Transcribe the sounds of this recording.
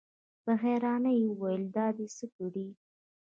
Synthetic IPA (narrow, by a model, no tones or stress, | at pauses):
b̥aɣɛɾɑnajeəwajəld̪ɑd̪esəkuɽi